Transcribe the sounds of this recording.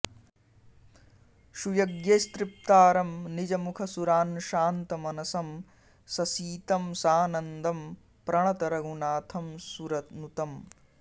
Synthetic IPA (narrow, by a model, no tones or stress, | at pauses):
ʃujɐɡjeːst̪ɾip̚t̪aːɾɐmnid͡ʒɐmukʰɐsuɾaːnʃaːnt̪ɐmɐnɐsɐm | sɐsiːt̪ɐmsaːnɐnd̪ʱɐm | pɾɐɳ̃ɐt̪ɐɾɐɡunaːt̪ʰɐmsuɾɐt̪nut̪ɐm